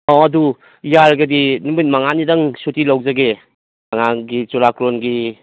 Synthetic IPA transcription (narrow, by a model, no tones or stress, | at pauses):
ɔɐdu | jaɾɡadinumit̚maŋanidaŋsutilawzaɡe | maŋaɡit͡ʃuɾakɾonɡi